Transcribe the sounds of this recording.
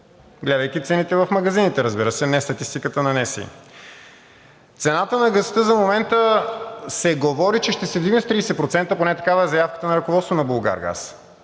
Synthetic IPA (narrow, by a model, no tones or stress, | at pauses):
ɡlɛd̪əjkit̪sɛnit̪ɛvɐfmɐɡɐzinit̪ɛɾəzbiɾəsɛnɛst̪ɐt̪ist̪ikət̪ənɐnɛsḭ | t̪sɛnat̪ənɐɡɐst̪əzɐmomɛnt̪əsɛɡovɔɾit͡ʃɛʃt̪ɛsɛvd̪ivnəst̪ɾiːsɛt̪pɾot̪sɛnt̪əponɛt̪ɐkavɐɛzɐjafkə̥t̪ənɐɾɐkovɔt̪st̪vonɐbolˠɡa̰ɾɡa̰s